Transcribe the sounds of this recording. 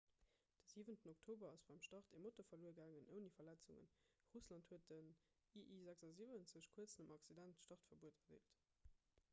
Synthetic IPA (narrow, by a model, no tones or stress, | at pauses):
d̥əziːvəntənoktʰoːbɐɑsb̥ɑɪmʃtɑʁtemotofɐluːəɐɡæːŋənʔəʊnifɐlæt͡suŋə̰n | ʁuslɑnthuət̚dən | iʔiːzækzɑzivənt͡səɕkʰuət͡snəmɑksidæntʃtɑʁtfɐbuətɐdḛːlt